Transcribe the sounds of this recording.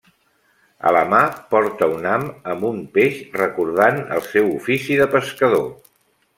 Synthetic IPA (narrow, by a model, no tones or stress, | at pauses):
ə̰ləmapɔɾt̪əunaməmbumpeʃrəkuɾð̞anə̰lˠsɛwufisiðəpəskəðo